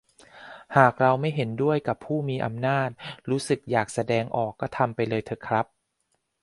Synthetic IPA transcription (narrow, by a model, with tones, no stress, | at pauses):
haː˨˩k̚ɾa˧wma˥˩jɦe˩˦ndu˥˩əjka˨˩pʰːuː˥˩miː˧ʔa˧mnaː˥˩t̪̚ɾuː˦˥sɯ˨˩k̚jaː˨˩k̚sa˧dɛː˧ŋʔɔː˨˩kːɔː˥˩t̪ʰa˧mpa˧jlɤː˧jt̪ʰɤ˨˩kʰɾa˦˥p̚